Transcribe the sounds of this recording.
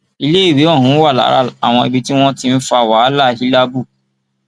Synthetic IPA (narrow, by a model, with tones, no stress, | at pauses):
i˧le˦i˦˨we˨˦ɔ˦˨ɦũ˨˦wa˦˨la̰˨˦ɾa̰˦a˦˨w̃ɔ̃˧i˨bi˧ti˦w̃ɔ̃˦tĩ˦n̩˦fa˦˨wa˨˦la˦hi˦la˦bu˦˨